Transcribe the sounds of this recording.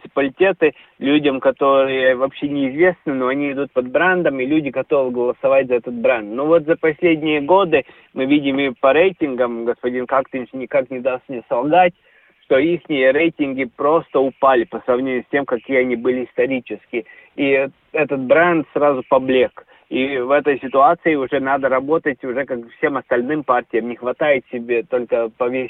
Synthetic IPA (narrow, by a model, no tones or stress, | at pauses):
t̪sɨ̥pəlʲɪtʲe̞t̪ɨ | lʲudʲəmkɐt̪o̞ɾɨjəvɐpɕːe̞nʲɪːzvʲe̞snɨno̞ɐnʲiɪd̪ut̪̚pɐd̪̚bɾɛnd̪əmɪlʲudʲɪɡɐt̪o̞vɨɡəlˠəsɐvatʲzɐɛt̪ət̪̚bɾɛnt̪novo̞t̪zəpɐsʲlʲedʲnʲɪjəɡo̞d̪ɨ | mɨvʲidʲɪmɪpɐɾejtʲɪnɡəmɡəspɐdʲinkakt̪ɪnʲʂnʲɪkaknʲɪd̪ast̪mnʲesɐlˠɡatʲ | ʂt̪o̞ixnʲɪjəɾejtʲɪnɡʲɪpɾo̞st̪əʊpalʲɪpəsɾɐvnʲeɲʲɪʊːsʲtʲemkɐkʲijəɐnʲibɨlʲɪɪst̪ɐɾʲit͡ɕɪskʲɪi | ɛt̪ət̪̚bɾɛnt̪sɾazʊpɐblʲek | ivɛt̪əjsʲɪt̪ʊat̪sɨɪʊʐɛnad̪əɾɐbo̞t̪ətʲʊʐɛkakfsʲe̞mɐst̪ɐlʲnɨmpartʲɪjəmnʲɪxvɐt̪ajɪt̪sʲɪbʲe̞t̪o̞lʲkəpɐvʲesʲ